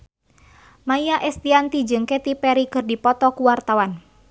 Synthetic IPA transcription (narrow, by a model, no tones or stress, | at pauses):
majjaʔɛst̪iant̪id͡ʒɨŋkɛt̪ipɛɾikɨrdipɔt̪ɔkuwart̪awan